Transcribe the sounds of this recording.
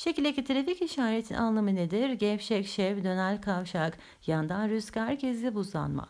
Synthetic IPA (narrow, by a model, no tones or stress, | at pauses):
ʃecilʲd̪ecit̪ʰiɾeficiʃaːɾet̪ʰḭnʔa̰nlˠamɯned̪iɾɟɛfʃɛcʃɛvd̪ø̞nælʲkʰavʃak | jand̪anɾyschæɾcʰɛzd̪ʲɛbuza̰nma̰